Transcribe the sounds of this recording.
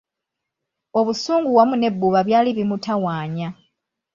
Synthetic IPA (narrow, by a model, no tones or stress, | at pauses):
o̞βusuːŋɡuwamune̞bːuβaβjaːliβimutʰawaːɲa